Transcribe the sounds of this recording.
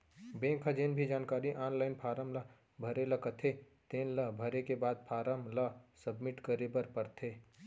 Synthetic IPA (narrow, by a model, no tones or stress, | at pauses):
bẽːŋkʰɐd͡ʒeːnbʱid͡ʒaːnkaːɾiʔaːnlaːɪnpʰaːɾəmlɐ | bʱɐɾelɐkɐt̪ʰe | t̪ẽːnlɐbʱəɾekebaːd̪̚pʰaːɾəmlɐsəbmɪʈkəɾebəɾpəɾt̪ʰe